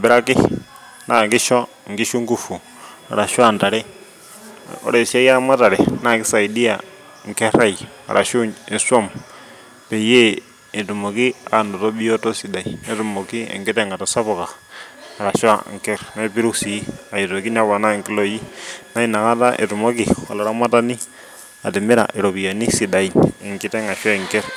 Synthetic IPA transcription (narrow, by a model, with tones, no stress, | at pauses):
a˨bɪ˦ɾa˦kɪ˦ | na˦˨ŋkɪ˦ʃɔ˦ | ŋ̩˨ɡɪ˦ʃu˦ŋɡu˦˨fu˨ | a̰˨ɾa˨ʃwa˦˨nta˨ɾɛ˦ | o̰˦ɾe˨sa˦ja˦ma˦ta˨ɾɛ˨na˦˨kɪ˦sa˨i˨di˦a˨ | ŋ̩˨kɛ˦ɾa˦ja̰˨ɾʔa˨ʃu˦ɲe˨sɔ˦˨m | pe˨je˦ | e˨tu˨mo˨ki˦a˨no˨to˦bi˦jo˦to˦si˨da˨ine˦tu˨mo˨ki˦ḛ˨ŋɡɪ˦tɛ˦˨ŋa˨to˨sa˦bɔ˨kaː˨ɾa˨ʃwa˦˨ŋkɛ˦ɾna˦pi˦ɾu˦ksi˨˦a˨i˨to˨ki˦na˦βa˨na˦˨ŋki˦lo˦ji˦na˦i˦na˨ka˦ta˦ʔḛ˨tu˨mo˦ki˨wa̰˨la˨ɾa˦ma˦ta˦ni˦ | a˨tɪ˨mɪ˦ɾa̰˨ʔɪ˨ɾo˨bi˨ja˨ni˦si˨da˨iɪ˨ŋki˦tɛ˦ŋa˨ʃwa˦i˨ŋkɛ˦ɾ